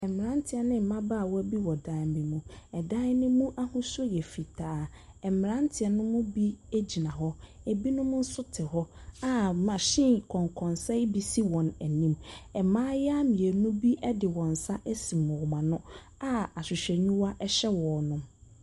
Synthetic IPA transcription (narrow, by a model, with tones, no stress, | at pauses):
ɛ˨m˨ɾã˦n˦tʰɪ˨ɛ˨nɪ̃˦m̩˨mã˦ba˦˨wɔ˦æ˦bi˦wɔ˨dã˦˨˦bi˨mũ˨ɛ˨dã˦ɪ˦nʊ̃˦mũ˦ʔa˦hũ˦sʊ˦jɛ˨fi˨tʰaː˨˦ | ɛ˨mɪ˨ɾã˦n˦tʰɪ˨ɛ˨nʊ̃˦mʊ̃˦bi˦e˦d͡ʑi˨nã˨ɦɔ˦e˨bi˦nʊ̃˦mʊ̃˦n̩˦sʊ˦tʰɪ˨ɦɔ˦a˨mã˨ɕɪ̃˦kʰɔ̃˨ŋkʰɔ̃˨nsɛ˦bi˦si˦wɔ̃˨næ˨nĩ˦mɛ˨mãː˦jɛ˦a˦mĩ˨e˨nʊ̃˦bi˦ʔɛ˦dɪ˨wɔ̃˨n̩˨sa˦ʔæ˦sĩ˨m˨wɔ˨mã˨nʊ̃˦ | a˦a˨ɕɪ˨ɕᶣɛ˨ɲũ˦wa˦ʔɛ˦ɕɛ˦wɔ˨nʊ̃˨m